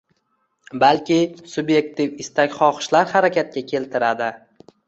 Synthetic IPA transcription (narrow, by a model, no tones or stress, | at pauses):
balkʲɪsʊbje̞k̚t̪ʰifɪst̪ʰakʲχɒqɨ̥ʃlaɾhaɾakʲat̪̚kʲakʲʰe̞lt̪ʰɪɾad̪ɪ